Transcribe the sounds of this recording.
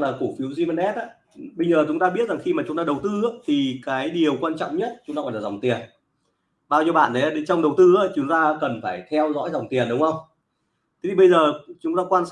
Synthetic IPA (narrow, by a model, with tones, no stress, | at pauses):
laː˨˩ku˧˩fi˨˦wzi˧mə˧nɛ˦˥t̚ʔaː˨˧˦ | ɓə˧jzəː˨˩t͡ɕʊ˨˦ŋ͡mt̪aː˧ɓi˦˥ət̚za˨˩ŋxi˧maː˨˩t͡ɕʊ˨˦ŋ͡mt̪aː˧ɗə˨˩wt̪ɨ˧a˧˦t̪ʰi˨˩kaː˨˦jɗi˨˩ə˩wkwaː˧nt͡ɕɔ̰˧˨ŋ͡mɲə˦˥t̚t͡ɕʊ˨˦ŋ͡mtaː˧kɔ˧˩laː˨˩zwŋ͡mt̪i˨˩ən | ɓaː˧wzi˧ɓa̰ː˧˨nɗə˨˦a˧ɗt͡ɕɔ˧wŋ͡mɗə˨˩wt̪ɨ˧aː˧˦t͡ɕʊ˨˦ŋ͡mt̪aː˧kə˨˩nfaː˧˩jt̪ʰɛ˧wzɔ̰˧˥jza˨˩wŋ͡mt̪i˨˩ənɗʊ˨˦ŋ͡mŋhə˧wŋ͡m | t̪ʰe̥˨˦t̪i˨˩ɓə˧jzəː˨˩t͡ɕʊ˨˦ŋ͡mt̪aː˧kwaː˧ns